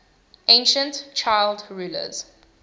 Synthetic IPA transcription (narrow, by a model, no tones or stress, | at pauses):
ʔẽnʃə̃ntt͡ʃʰaɪldɹuːlə̰z̥